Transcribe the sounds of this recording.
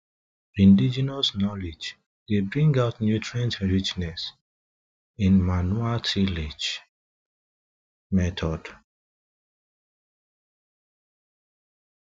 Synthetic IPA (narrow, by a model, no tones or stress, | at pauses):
ĩndid͡ʒɛnɔsnɔled͡ʒ | debɹĩŋɡaʊtnjutʰɹãntɹit͡ʃnɛs | ĩnmanuatʰiled͡ʒ | mɛtʰɔd̥